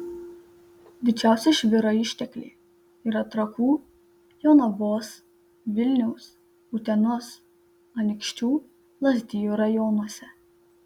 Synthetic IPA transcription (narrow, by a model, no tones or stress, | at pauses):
d̪ʲɪt͡ʃʲæˑʊsʲɛʃʲʋʲɪɾoɪʃʲt̪ʲɛkʲlʲḛː | iɾɐt̪ɾɐkuː | jɔnɐboːs | ʋʲɪlʲnʲɛʊs | ut̪ʲɛnoːs | ɐnʲkʃʲt͡ʃʲuː | lˠɐzʲd̪ʲɪjuːɾɐjɔnɔsʲɛ